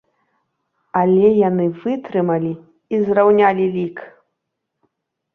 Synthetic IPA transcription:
alʲɛjanɨvɨt̪ɾɨmɐlʲi | izrawnʲalʲilʲik

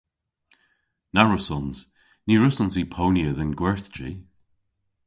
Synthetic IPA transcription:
naɹʊsɔnz̥ | niɹʊsɔnzipʰowniəðənɡwɛɹθd͡ʒḭ

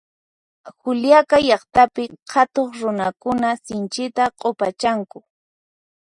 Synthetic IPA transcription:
xʊljakajɑχt̪apɪhʰat̪oχɾʊnakʊnasɪnt͡ʃɪt̪aqʼopat͡ʃaŋkʊ

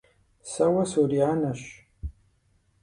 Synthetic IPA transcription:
sɐwɐsuɾiʕanɐɕ

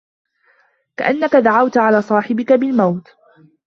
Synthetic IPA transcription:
ka̰ʔanːakad̪aʕawt̪aʕalaːsˤɑːħɪbɪkabɪlmawt̪

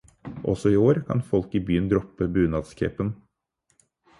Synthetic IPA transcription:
ʔɔ̰sɔɪoːɾkʰɑ̰nfɔlkibyːənd̪ɾɔpːəbʉːnɑd̪skʰḛːpən

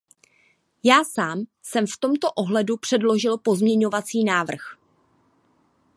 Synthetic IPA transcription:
jaːsaːm | sɛmft̪o̞mt̪o̞ʔo̞ɦlɛdupr̝̥ɛdlo̞ʒɪlpo̞zmɲɛɲo̞vat͡siːnaːvr̩x

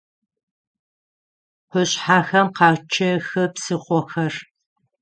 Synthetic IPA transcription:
qʷʊɕħaːxɐmqɑːt͡ʃʰɐxɐpsɨχʷɔxɐr

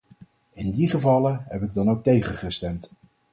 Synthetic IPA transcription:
ɪndiχəvɑləɦɛpɪɡ̚dɑnowk̚tejχəχəstɛmt

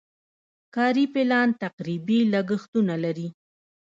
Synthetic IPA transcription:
kɑɾipɪlɑnt̪aqɾibilaɡəxt̪unalaɾi

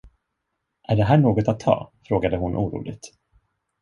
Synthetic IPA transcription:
ʔæɖɛɦæːɳoːɡɔt̪at̪ʰːɑ̰ːfɾoːɡad̪əɦʊnʔuːɾṵːlɪ̰ɡ̚t̪

